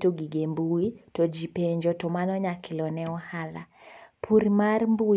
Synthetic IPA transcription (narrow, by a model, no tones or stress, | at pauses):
tɔɡiɡɛmbuitɔd͡ʒipɛɲd͡ʒɔtɔmanɔɲakilɔnɛɔhala̰pʰuɾmaɾmbu